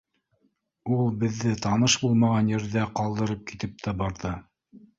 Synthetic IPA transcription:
ulˠbɘ̆ðːɘt̪ɑnɤʃbulˠmɑʁɑnjɘ̆ɾðæqɑlˠd̪ɤ̆ɾɤp̚kit̪ɘp̚t̪æbɑɾðɤ

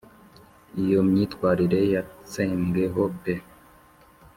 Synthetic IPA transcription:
ijomɲiːtkwaːɾiɾe̞jat͡seːŋɡeɦope

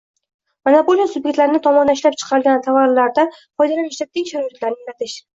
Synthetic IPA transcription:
manapoljasʊbjekʲt̪laɾnɪt̪ʰɒmɒnaɪʃlapt͡ʃʰɨ̥qʰɑɾɪlɡʲant̪ʰavaɾlaɾd̪a | fɒjd̪alanɪʃlat̪̚ʰːekʲʃaɾɒɪt̪laɾnɪlat̪ʰɪʃ

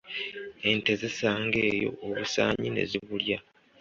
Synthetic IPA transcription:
e̞nte̞zesaːŋɡe̞ːjo̞̰oβusa̰ːɲine̞̰ziβulja

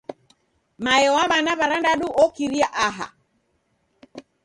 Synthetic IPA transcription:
majɛwaβanaβaɾandaɗuʔɔkiɾiaʔaɦa̰

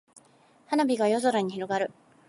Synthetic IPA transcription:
hanabʲiɡajo̞zo̞ɾaɲ̟içiɾo̞ɡaɾɯ̟

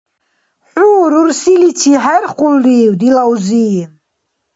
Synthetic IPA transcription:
ħuːɾuɾsilit͡ʃʰiɦaɾqʼuldiːwd̪ilawziː

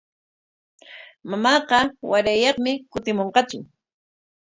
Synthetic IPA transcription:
mamɑːqɑwaɾajɑχmɪkʊt̪ɪmoɴqɑt͡ʃʊ

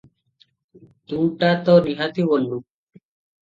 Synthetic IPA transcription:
t̪uʈat̪ɔniɦat̪ibonɖu

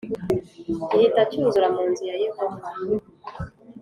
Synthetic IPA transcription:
hitacuːnzuɾamuːnzijajehova

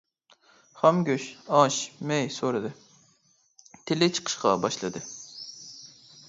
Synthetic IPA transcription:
χɑmɡʲøʃɑʃmɛjsoɾɨd̪ɨ | t̪ʰɪlɪt͡ʃʰə̥qʰə̥ʃqɑ̰bɑʃlˠɨd̪ɨ

